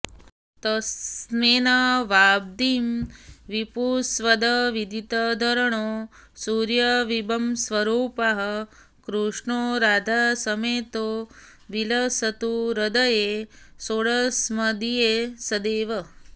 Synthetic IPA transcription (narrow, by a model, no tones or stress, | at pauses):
t̪ɐsneːnaʋaːb̚d̪iːmʋipusʋɐd̪ɐʋid̪ʱit̪ɐd̪ʱɐɾɐɳoː | suːɾjɐʋibɐmsʋɐɾuːpɐɦɐ̆ | kɾuʂɳoːɾaːd̪ʱaːsɐmeːt̪oː | ʋilɐsɐt̪uɾɐd̪ɐjesoɽɐsmɐd̪ijeːsɐd̪eːʋɐ